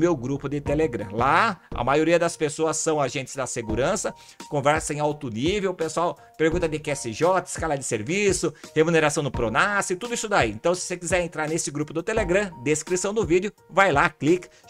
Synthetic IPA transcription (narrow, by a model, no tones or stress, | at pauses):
mewɡɾupʊd̪ɪt̪eleɡɾɐ̰̃laɐ̰majoɾiɐd̪ɐspesoɐsːɐ̃w̃aʒẽnt͡ʃ̪ɪ̥zd̪ɐseɡuɾɐ̃sɐ | kõvɛɾsɐẽawt̪ʊnivewpesuaw | peɾɡũt̪ɐd̪ɪkɛsɪʒɔt̪ɪ̥skalɐd̪ɪseɾvisʊhemuneɾasɐ̃w̪̃ʊpɾonasɪt̪ud̪ʊisʊd̪aiẽnt̪ɐ̃w̃sɪ̥sekizɛɾẽnt̪ɾaɾnesɪɡɾupʊd̪ʊt̪eleɡɾɐ̃d̪eskɾisɐ̃w̃d̪ʊvidjʊ | vajlaklik